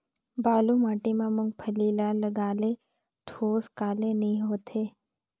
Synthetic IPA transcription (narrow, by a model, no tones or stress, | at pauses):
baːlumaːʈimãmʊ̃ŋɡ̚pʰəliːlaləɡaːle | ʈʰoːskaːlenɐɦĩɦoːt̪ʰeː